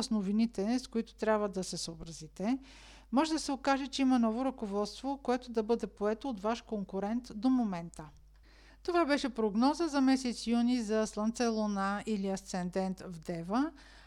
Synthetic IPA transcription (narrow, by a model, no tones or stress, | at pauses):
snovinit̪ɛskʊit̪ʊ̥t̪ɾʲjabvəd̪ɐsɛsoobɾɐzit̪ɛ | mɔʒɛd̪ɐsɛokaʒɛt͡ʃɛimɐnɔvoɾɐkovɔt̪st̪vokoɛt̪od̪ɐbɤd̪ɛpoɛt̪oːt̪vaʃkoŋkuɾɛnt̪d̪omomɛnt̪ə | t̪ovabɛʃɛpɾoɡnɔzəzɐmɛsɛt̪sijunizɐslˠɐnt̪sɛlˠonailiɐst̪sɛnd̪ɛnt̪vd̪ɛvə